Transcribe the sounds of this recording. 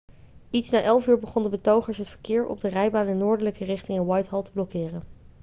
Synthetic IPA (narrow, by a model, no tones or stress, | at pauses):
itsnaːʔɛlˠfyːɹbəχɔndəbətowχəɹsɦətfəɹkɪːɹɔ̰b̚dərɛjbaːnɛnːʊːɹdələkərɪχtɪŋɪnwɑjtɦɑlˠtəblɔkɪːrən